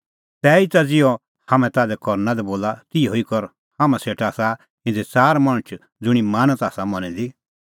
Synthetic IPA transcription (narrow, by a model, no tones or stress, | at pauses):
t̪ɛːit̪ad͡zɪjɔ | haːmɛ̃t̪aːd̪ɛkɔɾnad̪ɛboːlat̪ɪoikɔɾ | haːmãseːʈʰaːsa | ɪ̃nd͡zɛt͡saːɾmɐɽ̃t͡ʃʰ | d͡zʊɽ̃imaːnət̪aːsamɔnɛd̪i